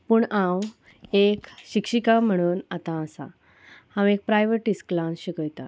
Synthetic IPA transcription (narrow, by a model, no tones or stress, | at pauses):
puːɳãw | ekɕikʂikam̤əɽ̃uːnat̪ãːsa̰ | hãwek̚pɾajʋəʈisklãnsɕikəjt̪a̰